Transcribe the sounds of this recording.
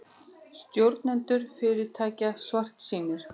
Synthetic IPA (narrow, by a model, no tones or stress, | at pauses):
st̪jowɾt̪nɛnt̪ʏɾ̥fɪːɾɪɾt̪ʰaːcasvar̥t̪siːnɪɾ̥